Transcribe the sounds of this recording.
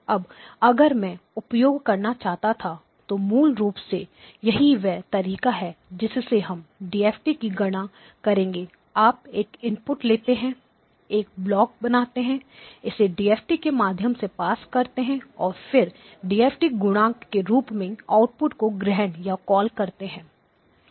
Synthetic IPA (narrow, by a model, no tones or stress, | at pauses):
ɐbɐɡəɾmɛ̃ʊpjoːɡkɐɾnat͡ʃaːɦt̪at̪ʰa | t̪omuːlɾuːpse | jɐɦiʋɛːt̪ɐɾiːkaɦɛd͡ʒɪsːeɦɐmɖiːeːfʈikiɡɐɽ̃a | kɐɾẽːŋɡeː | aːp̚eːkɪ̃mpʊʈleːt̪eɦɛ̃ | eːk̚blɔːk̚bɐnaːt̪eɦɛ̃ɪseɖiːeːfʈikemaːd̪ʱjəmsepaːskɐɾt̪eɦɛ̃ɔːɾfɪɾ | ɖiːɛːfʈiɡʊɽ̃ãːkːeɾuːpmẽaːʊʈ̚pʊʈkoɡɾɛɦnjakɔːlkɐɾt̪eɦɛ̃ː